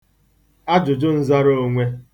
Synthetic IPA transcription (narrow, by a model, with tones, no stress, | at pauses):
a˦d͡ʒʊ˨d͡ʒʊ˦n̩˦za˦ɾo˦o˦ŋʷe˦